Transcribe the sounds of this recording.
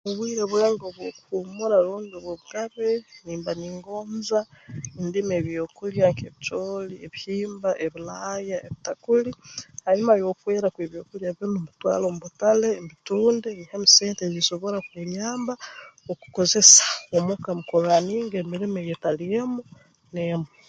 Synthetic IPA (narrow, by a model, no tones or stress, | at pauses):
muβwiːɾeβweːŋɡoβwokuhumuɾaluːnɡoβwoβuɡaβeniːmbaniŋɡoːmzaindimeβjokuljaŋkeβit͡ʃoːlieβihiːmbaʔeβilajaeβitakulihaimajokweːɾakweβjo̞ːkuljaβjonomutwa̰ːlomuβutale̞mituːndenihemiseːnteziso̞βoɾakweɲaːmbaoku̥koze̞sḁomokamukolaniːŋɡemiɾimejetalijemu | nemu